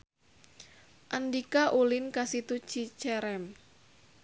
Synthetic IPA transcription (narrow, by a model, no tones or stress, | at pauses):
ʔandikaʔulɪnkasit̪u̥t͡ʃit͡ʃɛɾɛm